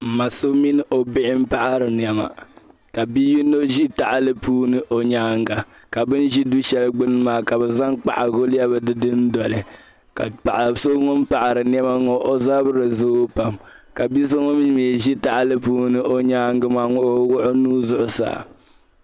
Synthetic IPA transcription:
m̩˨ma˨so˦mi˦nɨ˦ʔo˨bɪ˦ʔɪ˦m̩˦pa˦ʔa˦ɾɨ˨n˨ɛ˨ma̰˨ | ka˨bi˦ji˦no˦ʒi˦ta˨ʔa˨lɨ˦puː˦nɨ˦ʔo˨ɲaː˦ŋɡa˨ | ka˨bɨ˦n˦ʒi˦du˦ʃɛ˦lɨ˦ɡ͡bɨ˦nɨ˦maː˨ka˨bɛ˨za˦ŋk͡pa̰˦˨ʔa˨ɡo˦la˦bɨ˨dɨ˦dɨ˦n˦dɔ˨lɨ˨ | ka̰˨pa˨ʔa˨so˦ŋɔ˦m̩˦pa˨ʔa˨ɾɨ˨n˦ɛ˦ma˦ŋɔ˨ʔo˦zaː˦bɨ˦ɾɨ˨zo˦pa˨m | ka˨bi˦s̬o˦ŋɔ˦m˦meː˨ʒi˦ta˨ʔa˨lɨ˦puː˦nɨ˦ʔo˦ɲaː˦ŋɡɨ˦maː˨ŋʊ˦ʔwʊ˦ʔʊ˦nuː˦zʊ˦ʔʊ˦sa̰ː˨

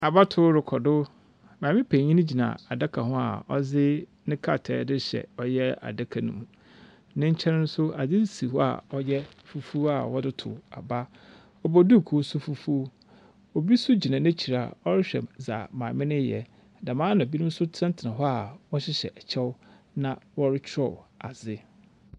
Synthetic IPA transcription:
a˨ba˦tʰʊ˦ɾɪ˨kʰɔ˨dʊ˦ | mãː˨mɪ̃˦pʰæ̃˨ɲĩ˦nɪ̃˦d͡ʑi˨nã̰˨a˨da˦kʰa˨ɦʊ̃˦a̰˨ɔ˦zɪ˦nɪ̃˦kʰa˦˨tʰɛ̰ː˦dɪ˦ɕɛ̰˨ɔ˦jɛ˦a̰˨da˦kʰa˨nṵ̃˦mũ˨ | nɪ̃˦ɲ̩˦t͡ɕʰɛ̃˦nʊ̃˦sʊ˦a˨d͡zɪ˦si˨hɔ˦a̰˨ɔ˦jɛ˦ | fu˦fu˦a̰˨wɔ˦dɪ˦tʰʊ̰˨a˨ba˦ | ɔ˦bɔ˦du˦˨kʰu˨o˦sʊ˦fu˦fu˦ | o˨bi˦sʊ˦d͡ʑi˨nã˨nɪ̃˦t͡ɕʰi˨ɾa˨a̰˨ɔ˦ɾɪ˦ɕᶣɛ̰˨za̰˨mã̰ː˨mɪ̃˦nɪ̃˦jɛ̰˨ | da˨mãː˦nã˨bi˦nũ˦m˦sʊ˦tʰã˦n˦tʰɪ˨nã˨ɦɔ˦a˨wɔ˦ɕɪ˦ɕɛ̰˨ʔt͡ɕʰɛ˦w | nã˨wɔ˦ɾɪ˦t͡ɕʰɾɔ̰˨a˨zɪ˦

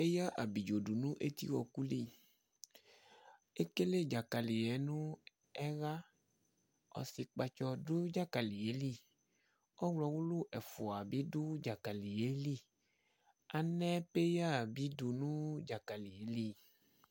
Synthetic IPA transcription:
e˦ja˦ʔa˨bi˨d͡ʒo˨du˨nũ˦ʔe˦t̪ḭ˦wɔ˨ku˦li˦˨ | e˦ke˦le˦˨d͡ʒa˨ka˨li˨ɛ˨˦nũ˦ | ɛ˦ɣa˦ | ɔ̰˨si˨˧k͡pa˧t͡ʃɔ˧du˦d͡ʒa˦ka˨li˨e˨˦li˦˨ | ɔ˦wlɔ˧˦wu˦lu˦ʔɛ˨fu˨a˨bi˨˦du˦d͡ʒa˨ka˨li˨je˨˦li˦˨ | a˨nɛ˦pe˦ja˦˨bi˨˦du˧nũ˦d͡ʒa˨ka˨li˨je˨˦li˦˨

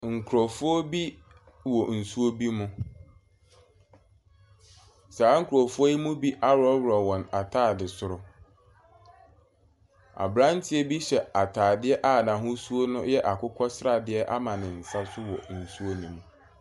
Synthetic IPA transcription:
ŋ̩˨kʰʊ˨ɾɔ˨fʊ˦o˦bi˦ | wɔ˨n̩˨su˦o˦bi˦mʊ̃˦ | saː˨˦ŋ̩˦kʰʊ˨ɾɔ˨fʊ˦o˦ji˦mũ˦bi˦ʔa˦ɾɔ˦wɾɔ˨wɔ̃˨na˨tʰaː˦˨dɪ˨sʊ˨ɾʊ˦ | a̰˨bɾã˦n̩˦tʰɪ˦ɛ˦bi˦ɕɛ˨a˨tʰaː˨dɪ˦ɛ˦ʔa˦˨nã˨ɦʊ̃˦su˦o˦nʊ̃˦jɛ˦ʔa˨kʰʊ˦kʰɔ˦sɾa˨dɪ˦ɛ˦ʔa˦mã˨nɪ̃˨n̩˨sa˦sʊ˦wɔ˨n̩˨su˦o˦nĩ˨mũ˨

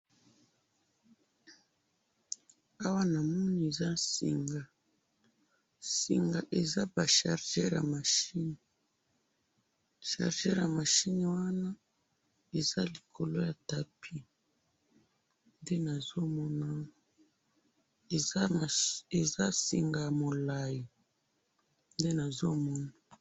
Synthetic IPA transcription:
a˦wa˦na˨mɔ˦ni˨e˨za˦sḭ˨ŋɡa˨ | sḭ˨ŋɡa˨ʔe˨za˦ba˨ʃa˨ʁʒɛ˦ʁja̰˨ma˨ʃi˦n˨ | ʃa̰˨ʁʒɛ˦ʁja˨ma˨ʃi˦n˨wa˦na˦ | e˨za˦li˨kʰo˨lo˦ja˨ta˨pʰi˦ | nde˦na˨zo˦mɔ˦na˦˨˦ | e˨za˦sḭ˨ŋɡa˨mo˨la˨ji˨ | nde˦na˨zo˦mɔ˦na˨

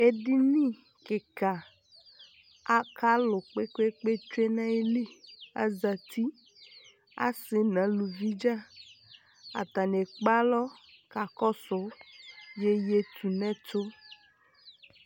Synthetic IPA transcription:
e˦di˦nĩ˦ | ke˨ka˨ | a˦kʰa˦lo˨k͡pe˦kʷe˦k͡pe˦t͡ʃe˦nã˦e˦li˦a̰˦za˨t̪i˦ | a̰˦sɪ˨nã˨˦lu˨vi˦d͡ʒa˦ | a̰˨t̪a˨ne˨k͡pa˦lɔ˦ | ka˨kɔ˦sʊ˨˦je˦je˦t̪ʰu˨nɛ̃˦t̪o˦

